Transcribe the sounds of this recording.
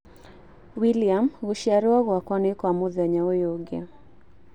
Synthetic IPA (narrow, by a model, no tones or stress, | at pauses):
wiliamɣuʃaɾuaɣwakwanikwamuðaɲaɔjɔɡɛ